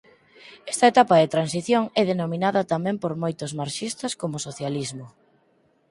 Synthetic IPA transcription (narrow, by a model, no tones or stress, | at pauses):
ɛst̪ɐet̪apɐðɪt̪ɾansiθjoŋɛðenominaðɐt̪amɛ̃mpoɾmojt̪ʊzmaɾʃist̪ɐskomʊsoθjalizmʊ